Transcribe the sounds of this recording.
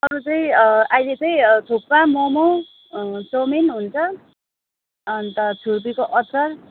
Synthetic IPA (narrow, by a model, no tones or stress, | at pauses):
ʌɾut͡sʌĩʌajlet͡sʌĩt̪ʰupːamomu | sominɦunt͡sʰʌ | ʌnt̪ʌt͡sʰup̬ikoʔʌsʌr